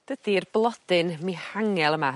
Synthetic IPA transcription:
d̥əd̥irblˠɔd̥ɨnmihaŋɛlˠəma

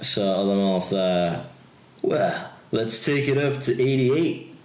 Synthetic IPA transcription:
soʊʌðəmʌ̃nθʌ | wɛlətstʰeɪkɨɾʌp̚tʰɨʔeɪɾieɪt̚

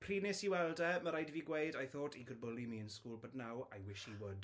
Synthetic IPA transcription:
pʰr̥iːnɪsiwɛlˠdɛməɾajdiviɡwejdajθoːtʰikʰʊd̚bʊlimiːənskuːlˠbədnawajwɪʃhiwʊd̥

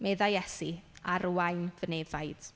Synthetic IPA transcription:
mɛðajɛsiaɾwajnvənevajd̥

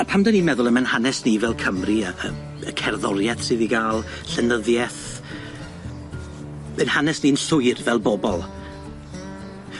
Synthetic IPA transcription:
pʰamdənimɛðʊlˠəmɛnhanɛsnivɛlˠkʰəmriəə | əkʰɛrðɔɾjɛθsɨðiɡaːlˠ | ɬɛnəðjɛθ | ɛnhanɛsniənɬʊɨrvɛlˠbɔbɔlˠ

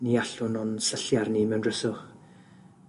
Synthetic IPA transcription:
niaɬʊnɔnsəɬjarnimɛwnrəsʊχ

